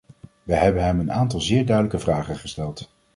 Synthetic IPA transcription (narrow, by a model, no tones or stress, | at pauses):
ʋəɦɛbənɦɛmənaːntɑlˠzɪːɹdœɥdələkəvraːχəχəstɛlˠt